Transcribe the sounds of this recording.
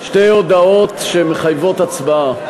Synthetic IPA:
ʃte̞jod̪ao̞t̪ʃemeχajvo̞t̪at͡sbaa

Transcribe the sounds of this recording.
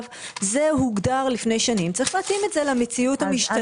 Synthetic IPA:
v | ze̞ɦuɡdaʁlifne̞jʃanimt͡saʁiχleːtime̞tze̞lamet͡siutamiʃta

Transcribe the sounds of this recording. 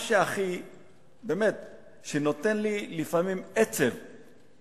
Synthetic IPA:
ʃeaχi | beːmet̪̚ | ʃeno̞t̪e̞nlilifamimet͡sev

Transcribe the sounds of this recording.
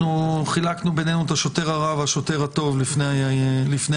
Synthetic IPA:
uχilaknube̞nenuet̪aʃo̞te̞ʁaʁavaʃo̞te̞ʁhat̪o̞vlifnelifne

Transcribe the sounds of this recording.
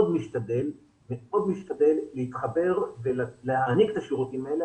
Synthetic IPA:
od̪miʃtad̪e̞l | veo̞d̪miʃt̪ad̪e̞lːehit̪χabe̞ʁvelleaniket̪aʃiʁut̪imaele

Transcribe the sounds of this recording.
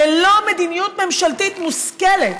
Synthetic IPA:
elomed̪imjut̪me̞mʃalt̪it̪muskelet̪

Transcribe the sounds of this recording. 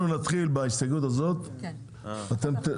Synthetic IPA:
unat̪χilbaisaɡut̪azo̞t̪ | at̪e̞mt̪e

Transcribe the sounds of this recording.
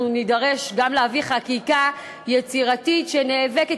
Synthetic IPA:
nidaʁeʃɡamleaviχakika | jet͡siʁatitʃeneːveke

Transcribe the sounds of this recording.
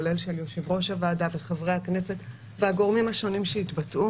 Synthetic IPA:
le̞lʃe̞ljoʃivʁo̞ʃavaːdaveχavʁehakne̞set | veaɡo̞ʁmimhaʃo̞nimʃeitbatʔu

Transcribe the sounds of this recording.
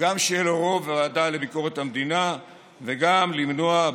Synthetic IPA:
ɡamʃeloʁo̞veʁad̪ale̞biko̞ʁe̞t̪hamd̪ina | ve̞ɡamlimnoa

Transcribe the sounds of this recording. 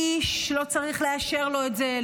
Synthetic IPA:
iʃlo̞t͡saʁiχle̞aʃe̞ʁlo̞etze

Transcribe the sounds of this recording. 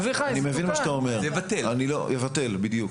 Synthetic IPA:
viχaanimevinmaʃat̪aomeʁjevat̪elanilo̰jevat̪e̞lbid̪juk

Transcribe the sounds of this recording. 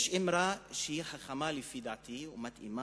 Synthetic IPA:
ʃɪmɾaʃehiħaχamalifid̪aʕt̪iumat̪ḭma

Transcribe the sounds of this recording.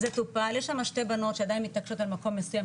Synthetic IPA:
zet̪upaljeʃamaʃte̞bano̞t̪ʃead̪ainmit̪nakʃot̪almako̞mːesujam

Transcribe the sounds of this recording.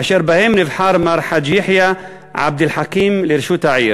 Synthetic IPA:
aʃeːɾbaheːmnɪvħɑːɾˤmɑɾˤħad̪jɪħja | ʕa̰b̚d̪ɪlħakiːmlɪɾʃuːt̪aʕḭːɾ

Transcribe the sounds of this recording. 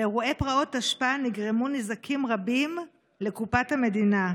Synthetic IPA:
eʁue̞pʁao̞taʃpaaniɡʁemunizakʰimʁabim | le̞kupathame̞dina

